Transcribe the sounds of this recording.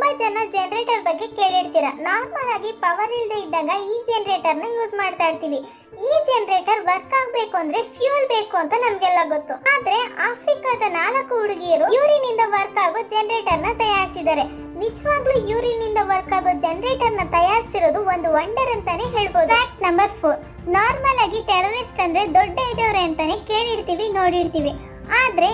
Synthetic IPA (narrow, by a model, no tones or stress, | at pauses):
bɐd͡ʒɐnːɐd͡ʒɛnɐɾeːʈɐɾbɐɡːe̞keːɭiɽt̪iːɾɐnaːɾmɐlaːɡipɐʋɐɾild̪eid̪aːɡɐiːd͡ʒenɐɾe̞ːʈɐɾnɐjuːd͡ʒmaːɖt̪aːɖt̪iːʋi | iːd͡ʒenɐɾe̞ːʈɐɾʋɐɾkaːɡbeːkuɐnd̪ɐɾe̞pʰjuɐlbeːkuɐnt̪ɐnɐmɐɡɛlːɐɡot̪ːuaːd̪ɐɾe̞aːpʰɾikaːd̪ɐnaːlɐkːuuɽiɡijɐɾujuːɾiːnːind̪ɐʋɐɾkaːɡuːd͡ʒenɐɾe̞ːʈɐɾnɐt̪ɐjaːɾisid̪aːɾe̞ | nid͡ʒɐʋaːɡlujuːɾiːnːind̪ɐʋɐɾkaːɡoːd͡ʒenɐɾe̞ːʈɐɾnɐt̪ɐjaːɾisiɾoːd̪uond̪uʋɐɳɖɐɾɐnt̪ɐne̞ɦe̞ːɭboːd̪aːk̚ʈnɐmbɐɾpʰoːɾ | naːɾmɐlaːɡiʈɛlɐɾiʈsʈɐnd̪ɐɾed̪ɔɖːɐjd̪ɐʋɾeɐnt̪ɐne̞ke̞ːɭiɾt̪iːʋinoːɽiɾt̪iːʋi | aːd̪ɐɾe̞